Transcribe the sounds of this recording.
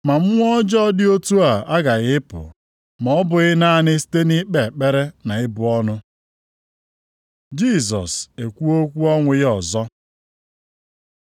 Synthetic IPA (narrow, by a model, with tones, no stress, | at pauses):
ma˨m̩˦ŋʷ˦d͡ʒɔ˦dɪ˦o˦tu˦a˨a˦ɡa˨ɣɪ˦pʊ̰˨ | mɔ˨ɔ˦bʊ˨ɣɪ˦na˦˨nɪ˦si̥˦te˦ni˦k͡pe˨k͡pe˦ɾe˦na˨ɪ˦bʊ˨ɔ˦nʊ˦ | d͡ʒi˦s̬ɔ̰˨se˨kʷu˦o˦kʷu˦ɔ˦ŋʷʊ˦ɣɔ˨zɔ˦